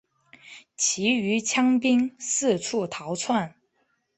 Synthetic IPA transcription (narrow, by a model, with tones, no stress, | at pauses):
t͡ɕʰi˧˥y˧˥t͡ɕʰjɑ˥ŋpi˥ŋsɹ̩˥˧ʈ͡ʂʰu˥˩t̪ʰɑ˧˥ʊt͡sʰwa˥˩n